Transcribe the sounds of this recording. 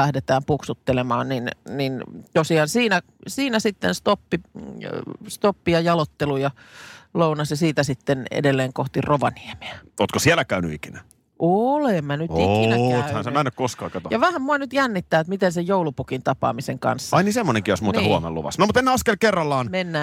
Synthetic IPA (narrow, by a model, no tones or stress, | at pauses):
læhdet̪æːmpuksut̪ːelemɑːnninnint̪osiɑːnsiːnæ | siːnæsit̪ːenst̪opːi | st̪opːijɑjɑlot̪ːelujɑlounɑsjɑsiːt̪æsit̪ːenḛdelːeːŋkoht̪iroʋɑ̰nieme̥æʔoːt̪kosiælːˑækæyny̰ikinæ | ʔolemmænyt̪ikinææyhænsemænːækkoskɑ̰ːkɑt̪ojɑʋæhæmmuɑnyt̪jænːit̪ːæːet̪mit̪ensejjoulupukint̪ɑpɑ̰ːmiseŋkɑ̰nsːɑɑinisemːoneŋkijosmuːnehuo̰mḛlṵʋɑ̰snomut̪enːeɑskelkerːɑlːɑːnmenːæː